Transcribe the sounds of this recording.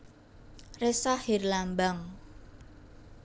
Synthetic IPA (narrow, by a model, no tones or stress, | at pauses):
resahɪrlambaŋ